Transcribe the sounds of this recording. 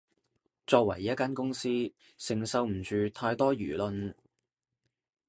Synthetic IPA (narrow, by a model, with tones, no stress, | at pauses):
t͡ʃɔː˧k̚wɐ̰˨˩jːɐ˥t̚kaː˥nkʊ˥ŋsiː˥ | sɪ˨˩ŋsɐ˧wm̩˨˩t͡ʃyː˨˧t̪ʰaː˧jt̪ɔː˥jyː˨˩lɵ˧n